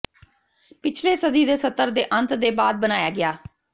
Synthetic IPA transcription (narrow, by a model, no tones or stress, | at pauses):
pɪt͡ʃʰleːsəd̪iːd̪eːsət̪ːəɾd̪eːʔə̃nt̪d̪eːbaːd̪̚bənaːjaːɡɪaː